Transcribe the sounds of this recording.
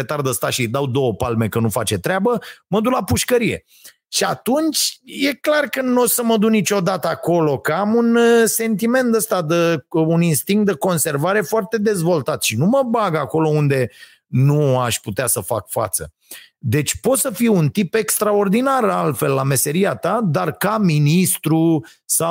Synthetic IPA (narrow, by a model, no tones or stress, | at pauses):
et̪ard̪əst̪aʃid̪awd̪o̞wəpalme̞kənufat͡ʃe̞t̪ɾeabəməd̪ulapuʃkəɾije̞̰ | ʃiat̪unt͡ʃʲje̞klarkənosəməd̪uknit͡ʃo̞d̪at̪əako̞lo̞kəamunse̞nt̪ime̞nt̪əst̪ad̪əuninst̪iŋk̚t̪̚d̪əko̞nse̞rvaɾe̞foart̪e̞d̪e̞zvo̞lt̪at̪ʃinuməbaɡako̞lo̞und̪e̞ | nuaʃʲput̪easəfakfa̰t̪sə̰ | d̪e̞t͡ʃʲpo̞t̪səfiunt̪ipe̞kst̪ɾao̞rd̪inaralfe̞lːame̞se̞ɾiat̪ad̪arkaminist̪ɾu | sa